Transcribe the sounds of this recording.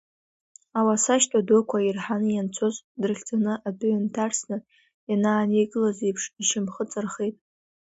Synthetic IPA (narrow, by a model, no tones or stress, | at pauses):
awasaʃtʰʼadokʷʰairħanɨjant͡sʰo̞zdɨrχʲd͡zʼanɨʔabʕantʰarsnɨ | janaːnejɡɨlazijpʰʂiʃɪmχət͡sʼɨrχejtʼ